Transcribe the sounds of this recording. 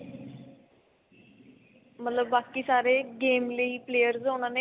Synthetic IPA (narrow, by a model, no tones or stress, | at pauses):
mət̪ləbːaːkiːsaːɾeːɡeːmleiːpleːjəɾzɦoːñãːne